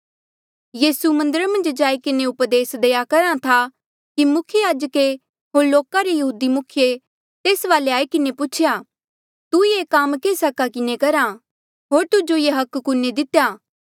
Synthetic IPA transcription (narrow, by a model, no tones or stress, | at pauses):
jiːsumɐ̃nd̪əɾamɐ̃nd͡ʒd͡ʒaːikɪneʊpd̪eːsd̪eːjakɐɾãt̪ʰa | kimʊkʰjəjaːd͡ʒəke | ɦoːɾloːkaɾejɐɦuːd̪imʊkʰɪje | t̪eːsʋaːleaːikɪnepʊt͡ʃʰɪjaː | t̪ujekamkesɐkakɪnekɐɾa | ɦoːɾt̪ʊd͡ʒojeɦɐkkʊned̪ɪt̪ejaː